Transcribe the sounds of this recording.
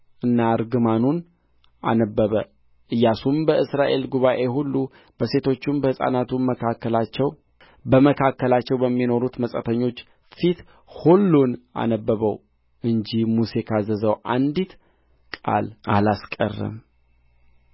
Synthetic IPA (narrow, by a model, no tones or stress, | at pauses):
ʔɨnːaɾɡɨmanun | a̰nəbːəβə | ʔɨjːasumbəɨsɾaʔe̞lɡuβaʔe̞ɦulːu | b̥əse̞t̪ʰo̞t͡ʃːɪmbəhɨsʼa̰nat̪uməkʰakːəlat͡ʃːɛw | bəməkʰakːəlat͡ʃːɛwbəmːino̞ɾut̪məsʼət̪ʰəɲːo̞t͡ʃː | fit̪ | hulːuna̰nəbːəβəw | ɨɲd͡ʒimuse̞kʰazəzəwʔa̰nd̪it̪ | kʼa̰lʔalaskʼə̰rːə̰m